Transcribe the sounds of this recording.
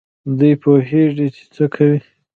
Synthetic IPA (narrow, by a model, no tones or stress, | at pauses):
d̪ujpoɦeʐit͡ʃe̥t͡səkʰawi